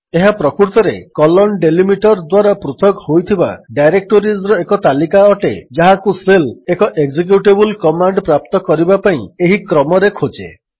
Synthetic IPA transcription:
eɦapɾɔkuɾt̪ɔɾekɔlɔnɖelimiʈɔɾd̪waɾapɾut̪ʰɔkhojt̪ʰiba̰ɖajɾek̚ʈoɾisɾɔekɔt̪alikaɔʈḛd͡ʒaɦakuselekɔʔeɡd͡ʒek̬juʈebulkɔmaɳɖpɾap̚t̪ɔkɔɾibapaĩeɦikɾɔmɔɾekʰod͡ʒḛ

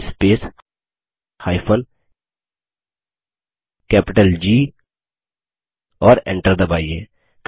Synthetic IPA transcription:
speːs | haːɪpʰən | kɛːpɪʈəld͡ʒiː | ɔːɾḛ̃ɳʈəɾd̪əbaːieː | k

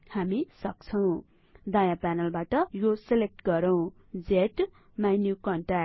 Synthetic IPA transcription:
hamisʌkt͡sʰʌw̃ | d̪ʌjãpanʌlbaʈʌjoselek̚ʈɡʌɾʌw̃ | d͡zeʈ | majnjukʌɳʈa

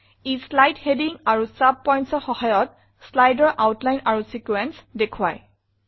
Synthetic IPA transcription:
islajdhediŋaɹusap̚ːɔjntsɔɹxɔhajɔt̚ | slajdɔɹʔawtlajnaɹusikuɛnsdekʰʊwa̰j

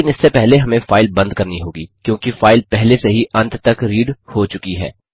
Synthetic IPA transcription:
ɪnɪsːepɛɦleɦɐmẽfaːɪlbɐ̃nd̪̚kɐɾniɦoːɡiːkjõːkifaːɪlpɛɦleseɦiʔɐ̃nt̪ʰt̪ɐkɾiːɖhot͡ʃʊkiɦɛ̰ː

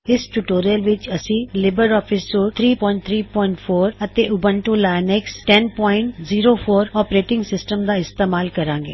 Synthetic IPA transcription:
ɪsʈuʈoːɾijəlʋɪt͡ʃəsĩːlɪbəɾɔːpʰiːsoːɾt̪ʰɾiːpɔ̃ːɪ̃ɳʈt̪ʰɾiːpɔːɪ̃ɳʈpʰoːɾət̪eːʔʊbə̃ɳʈuːlaːjnɛksʈɛnpɔːɪ̃ɳʈziːɾoːpʰoːɾɔːpɾeːʈɪ̃ŋɡsɪsʈəmd̪aːɪst̪eːmaːlkəɾãːŋɡḛː

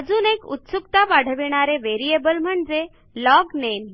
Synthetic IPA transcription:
d͡zuːnekṵt̪sukt̪abaɽ̤əʋiɳ̃aɾeʋeɾiebəlm̤əɳd͡ze | lɔɡnen

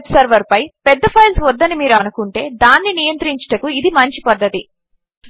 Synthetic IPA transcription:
psɐɾʋɐɾpɐjpɛd̪ːɐpʰɐjlsʋɔd̪ːɐnimiːɾɐnukuɳʈe̞ːd̪aːnːinijɐnt̪ɾiɲt͡ʃɐ̥ʈɐkuid̪imɐɲt͡ʃipɐd̪ːɐt̪i

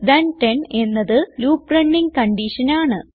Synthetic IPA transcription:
d̪ɐnʈene̞nːɐðɨluːprɐɳːiŋkɐɳɖiʂɐnaːɳɨ

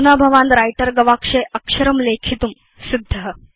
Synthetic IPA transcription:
unabʱɐʋaːnd̪ɾajʈəɾɡɐʋaːkʂeʔɐkʂɐɾɐmlekʰit̪um | sid̪ʱːɐɦə

